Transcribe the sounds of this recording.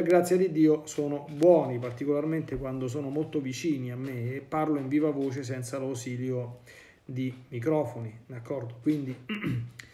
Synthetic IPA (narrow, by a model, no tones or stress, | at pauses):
perɡɾat̪sːjad̪id̪ːiːosoːnobwɔːnipart̪ikolarment̪ekwand̪os̬oːnomolt̪ovit͡ʃiːniamːeːpːarloiɱviːvavoːt͡ʃes̬ɛnt̪salawsiːljo | d̪imik̬ɾɔːfonid̪akʰːɔrd̪okwind̪i